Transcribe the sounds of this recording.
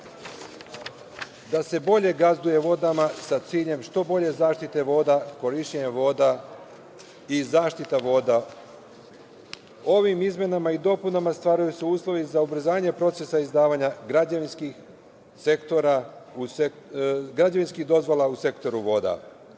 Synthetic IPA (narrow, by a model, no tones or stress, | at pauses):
d̪ase̞bo̞ʎe̞ɡazd̪uje̞ʋo̞d̪amasat̪siːʎe̞mʃt̪o̞bo̞ʎe̞zaːʃt̪it̪e̞ʋo̞ːd̪ako̞ɾiʃeɲaʋo̞ːd̪a | izaːʃt̪it̪aʋo̞ːd̪a | o̞ʋimizmje̞namaid̪o̞punamast̪ʋaːɾajuseuːslˠo̞ʋizaubɾ̩zaːɲe̞pɾo̞t̪se̞saizd̪aːʋaːɲaɡɾad͡ʑaʋinskix | se̞kt̪oɾau | ɡɾad͡ʑaʋinskihd̪o̞zʋolˠause̞kt̪o̞ɾuʋo̞ːd̪a̰